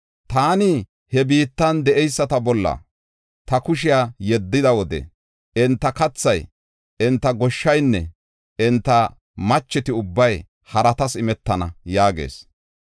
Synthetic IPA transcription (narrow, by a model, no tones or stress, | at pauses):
t̪aːnɪ | hɛbiːt̪ːɐnd̪ɛʔɛjsːɐt̪ɐbɔlːɐ̰ | t̪ɐkʊʃɪjajɛd̪ːɪd̪ɐwɔd̪ɛ̰ | ɪnt̪ːɐkɐt͡sːɐj | ɪnt̪ːɐɡɔʃːɐjnːɛ̰ | ɪnt̪ːɐ | mɐt͡ʃːɪt̪ɪʊbːɐj | hɐɾɐt̪ɐsɪmɛt̪ːɐnɐ̰jaːɡḛːs